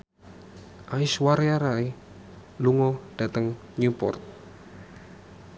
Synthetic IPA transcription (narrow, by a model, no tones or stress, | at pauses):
ʔaɪswaɾeaɾai | luŋɔɖ̥a̤t̪əŋ | ɲupɔ̰rt̪̚